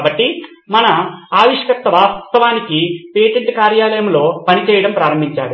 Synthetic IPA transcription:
bɐʈːi | mɐnɐaːʋiʂɐkɐkt̪ːɐʋaːst̪ɐʋaːnikipeːʈeɳt͡ʃɐkaːɾjaːlɐjɐmlo̞ːpɐnit͡ʃɛːjɐɽɐmpɾaːɾɐmbʱiɲt͡ʃa̰ːɽu

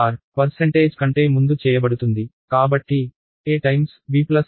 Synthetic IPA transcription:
ɾpɐɾseɳʈeːd͡ʒkɐɳʈe̞ːmund̪ut͡ʃɛːjɐbɐɽut̪und̪ikaːbɐʈːi | eːʈɐjmsʋiːplɐs

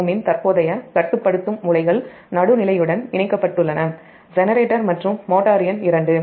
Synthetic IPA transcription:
mɪnt̪ɐɾpoːðɐjɐkɐʈːɯpːɐɽɯt̪ːɯmʊlɐɪɣɐɭ | nɐɽɯnɪlɐjɯɽɐnɪɳɐɪkːɐpːɐʈːɯɭːɐnɐ | d͡ʒɛnɐɾeːʈːɐɾmɐʈrɯmːoːʈːaːɾɪjɐnɪɾɐɳɖɯ

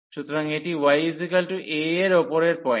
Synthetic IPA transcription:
ʃut̪ːoɾaŋeʈiwajisikalʈuʔeeɾopoɾeɾpɔj

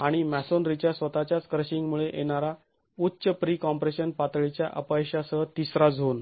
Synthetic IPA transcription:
aɽ̃imæsonɾit͡ɕjasʋət̪at͡ɕjat͡skɾəɕiŋɡmuɭeʔeɳ̃aɾa | utːɕəpɾiːkɔmpɾeɕənpat̪ɭit͡ɕja̰ʔə̰pajɕasəɦət̪isɾad͡zɦon

